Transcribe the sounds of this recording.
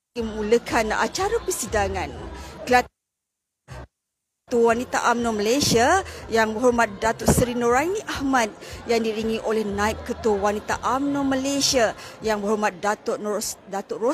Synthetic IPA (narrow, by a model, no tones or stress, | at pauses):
muləkʰana̰t͡ʃaɾapəsidaŋãnkəlat̪ | t̪uwanit̪a̰ʔamnoməlesiajaŋbəɦɔɾmat̪̚dat̪ɔʔsəɾinoɾainĩʔahmat̪̚jaŋdiɾiŋĩʔolɛhnãip̚kət̪uwanit̪a̰ʔamnoməlesiajaŋbəhɦɔrmat̪̚dat̪ɔʔdat̪ɔʔro